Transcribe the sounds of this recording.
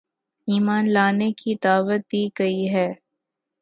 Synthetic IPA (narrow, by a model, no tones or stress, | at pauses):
iːmaːnlaːnekʰid̪aːʋət̪̚d̪iːɡɐiɦɛː